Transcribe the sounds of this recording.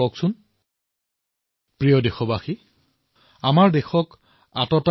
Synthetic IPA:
ɔksʊn | pɹijɔdexɔbaxi | amaɹdexɔk | atɔta

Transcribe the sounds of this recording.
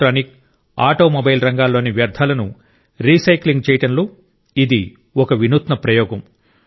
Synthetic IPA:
ʈɾaːnik̚ | aːʈo̞ːmobɐjlɾɐŋɡaːlːo̞ːniʋjɐɾd̪ʱaːlɐnu | ɾiːsɐjkliŋɡ̚t͡ʃɛːjʈɐnlo | id̪i | ɔkɐʋinut̪nɐpɾɐjɔːɡɐm

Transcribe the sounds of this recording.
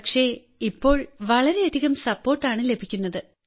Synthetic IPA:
kʂe̞ | ipːo̞ːɭʋɐɭɐɾe̞ːd̪ʱiɣɐmsɐpːo̞ːrʈːaːɳɨle̞bʱikʲːunːɐðɨ

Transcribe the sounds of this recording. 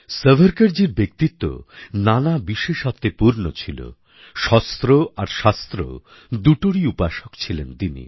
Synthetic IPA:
səbʱəɾkaɾd͡ʑiɾbek̚t̪it̪ːo̰nanabiʃeʃɔt̪ːepuɾnot͡ɕʰilo̰ | ʃɔst̪ɾoaɾʃast̪ɾo̰ | d̪uʈoɽiupaʃokt͡ɕʰilent̪inḭ

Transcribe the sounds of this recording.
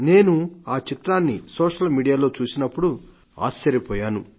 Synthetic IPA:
ne̞ːnuaːt͡ʃit̪ɾaːnːisɔːʂɐlmiːɽijaːlo̞ːt͡ʃuːsinɐpːuɽu | a̰ːst͡ʃːɐɾjipɔːjaːnu

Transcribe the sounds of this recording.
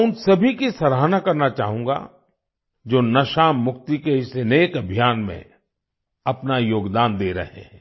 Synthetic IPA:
ʊnsɐbʱikisɐɾɦaːnakɐɾnat͡ʃaːɦũːŋɡa̰ | d͡ʒoːnɐʃaːmːʊkt̪ikeɪseneːkɐbʱijaːnmḛ̃ | ɐpnajoːɡd̪aːnd̪eːɾɐ̰ɦḛ̃ɦɛ̃

